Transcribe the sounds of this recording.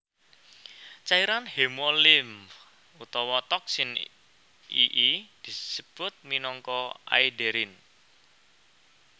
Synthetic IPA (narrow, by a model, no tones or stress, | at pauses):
t͡ʃaiɾanhemolɪm | ut̪ɔwɔt̪ɔk̚sɪn | ḭʔid̪̥i̤səb̥ʊt̪̚minɔŋkɔa̰ideɾɪn